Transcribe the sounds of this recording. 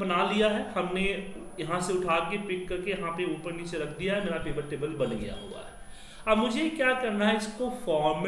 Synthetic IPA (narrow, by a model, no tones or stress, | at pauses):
bɐnalijaɦɛhɐmne | jɐɦãseʊʈʰaːkepɪkːɐɾkejɐɦãpeuːpəɾniːt͡ʃeɾɐkʰd̪ijaɦɛmeːɾapɾɪʋəʈeːbəlbɐnɡɐ̰ja̰ɦo̰ːa̰ɦɛː | ɐbmʊd͡ʒʱekjaːkɐɾnaɦɛɪskofɔːɾm